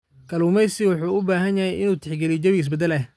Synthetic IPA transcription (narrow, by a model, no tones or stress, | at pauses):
kʰɐlumɛjsɪwʊħuːʊbaːɦɐnjɐɦɛjɪnuːt̪ʰɪħɡɛlid͡ʒɐβiɪs̬bɛd̪ɛlɛ